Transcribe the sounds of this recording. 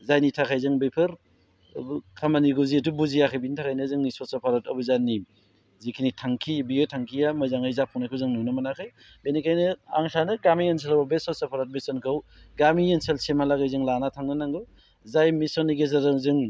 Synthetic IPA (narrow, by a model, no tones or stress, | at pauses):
zajnitʰakʰajzɯŋbejpʰɯɾ | kʰamaniɡuzietubuzijakʰajbinitʰakʰajnɯzɯŋnisɔsapʰaɾatɐbɯzani | zikʰinitʰaŋkʰibijɔjtʰaŋkʰijamɯjzaŋajzapʰɔŋnajkʰɯwzɯŋnunamanakʰɯj | benikʰajnɯa̰ŋsanɯɡamiens̬elbabesɔsapʰaɾat̚mesɔnkʰɯwɡamienselsemalaɡajzɯŋlanatʰaŋnɯnaŋɡɯ | zajmisɔniɡezaɾɯŋzɯŋ